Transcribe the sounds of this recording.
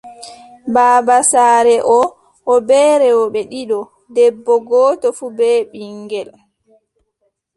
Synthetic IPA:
baːbasaːɾɛʔɔ | ʔːbɛːɾɛwɔɓɛɗiɗɔ | dɛbːɔɡɔːtɔfubɛːɓiŋɡɛl

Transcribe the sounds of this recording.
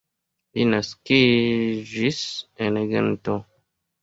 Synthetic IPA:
linaskid͡ʒiseneɡḛnto

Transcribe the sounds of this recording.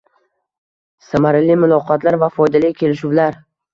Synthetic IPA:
samaɾɪlimʊlˠɒqʰɒt̪laɾvafɒjd̪alɪkʲʰe̞lɪʃuwlaɾ

